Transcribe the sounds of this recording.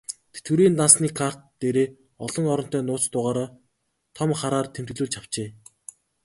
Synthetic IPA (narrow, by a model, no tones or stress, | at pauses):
t̪ʰe̥t̪̚ɡɘ̆ɾiːnt̪ansniːkʰar̥t̪ːeːɾeː | ɔɮɞ̆ŋɔɾɞ̆n̥t̪œːnʊːt͡st̪ʊːʁaːɾaː | t̪ʰɔmχaɾaːrt̪ʰem̥t̪ɘ̆ɮuːɮt͡ɕʰaw̥t͡ɕeː